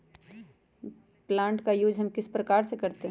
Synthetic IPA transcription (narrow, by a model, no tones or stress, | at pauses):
plãːɳʈkajuːd͡ʒɦɐmkɪspɾɐkaːɾsekɐɾt̪eɦɛ